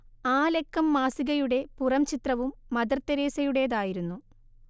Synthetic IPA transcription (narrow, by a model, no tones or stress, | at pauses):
aːle̞kːɐmːaːsiɣɐjuɽe̞purɐmt͡ɕit̪rɐʋumːɐd̪ɐrt̪ːɐɾeːsɐjuɽe̞jðaːjiɾunːu